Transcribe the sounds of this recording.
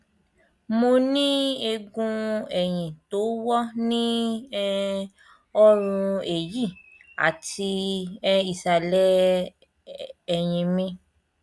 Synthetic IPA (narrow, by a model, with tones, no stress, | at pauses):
mo˧nĩ˦e˧ɡũ˧ɛ˨j̃ĩ˨to˨˦wɔ˦nĩ˦ɛ˦ | ɔ˦ɾ̃ũ˧e˨ji˦˨ | a̰˨ti˧ɛ˧i˨ʃa˨lɛ˦ | ɛ˨j̃ĩ˨mĩ˧